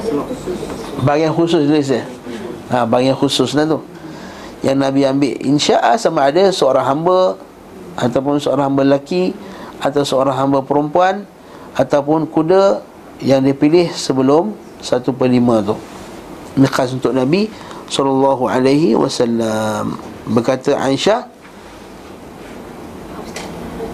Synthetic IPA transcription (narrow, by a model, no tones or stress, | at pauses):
baɡanxusʊst̪uis̬ə | abaɡanxusʊslat̪u | jʔaŋnãbiambɪʔḭnʃaʔasamaːdasəoɾaŋɦambə | at̪awp̬ʊnsəoɾãŋɦambəlakiat̪awsəoɾaŋɦambəpəɾumpuan | at̪awpʊnkudə | jaŋdiəpilɪhsəbəlʊm | sat̪upəlimãt̪uh | mikasunt̪ʊʔnabi | sɔlɑlːɑɦua̰lajɦiwa̰salːambərkat̪əʔa̰iʃah